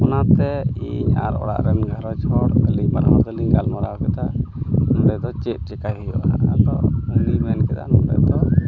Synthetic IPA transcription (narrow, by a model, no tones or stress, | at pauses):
ɔnat̪ɛiɲa̰ɾɔ̰ɽa̰ʔɾɛnɡʱaɾɔt͡ʃɔɾəliɲbaɾɦɔɾd̪əliɲɡalmaɾaɔkɛt̪anɔmɖɛʔd̪ɔt͡ʃɛʔ̚ˀt͡ʃɛkajɦɛjɔ̰ʔaad̪ɔʔundimɛnkɛt̪a̰nuɖɛ̰ʔd̪ɔ